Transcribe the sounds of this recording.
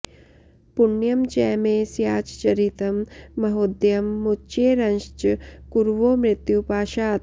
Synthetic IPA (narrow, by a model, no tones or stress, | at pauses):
puɳːjɐmd͡ʒɛːmeːsjaːt͡ʃt͡ʃɐɾit̪ɐmːɐɦoːd̪jɐmːut͡ʃeːɾɐnʃt͡ʃkuɾʋoːmɾɪt̪jupaːʃaːt̪